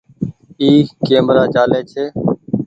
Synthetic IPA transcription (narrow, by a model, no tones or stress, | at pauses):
iːkeːmɾaːt͡ʃaːleːt͡ʃʰeː